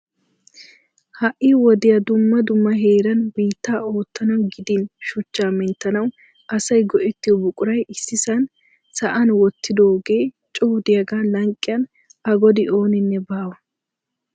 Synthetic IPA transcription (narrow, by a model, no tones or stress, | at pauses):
hɐʔːɪwɔd̪ɪjɐd̪ʊmːɐd̪ʊmːɐɦeːɾɐnbiːt̪ːaːo̞ːt̪ːɐnɐwɡɪd̪ɪnʃʊt͡ʃːaːmɪnt̪ːɐnɐw | ʔɐsɐjɡɔʔɪt̪ːɪjɔbʊkʼʊɾɐjɪsːɪsɐn | sɐʔɐnwɔt̪ːɪd̪o̞ːɡeː | t͡ʃʼuːd̪ɪjɐɡaːlɐŋkʼːɪjɐn | ɐɡɔd̪ɪʔo̞ːnɪnːɛbaːwɐ